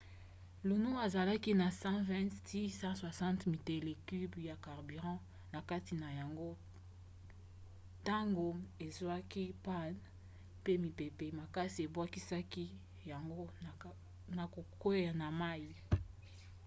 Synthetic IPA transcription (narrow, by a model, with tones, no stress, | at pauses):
lu˨nu˦a˨za˨la˦ki˦na˨sɑ̃˦vɛ̃˦tsi˦sɑ̃˦swa˨sɑ̃˦ntmi˨te˨le˨ky˦bja˨ka˨ʁby˨ʁɑ̃˦ | na˨ka˦ti˨na˨ja˨ŋɡo˦ | ta˦ŋɡo˨e˨zwa˦ki˦pa˦˨n | pe˦mi˨pe˨pe˨ma˨ka˦si˨e˨bwa˦ki˦sa˦ki˦ | ja˨ŋɡo˦˨ | na˨ko˨ko˦ja˨na˨ma˦i˨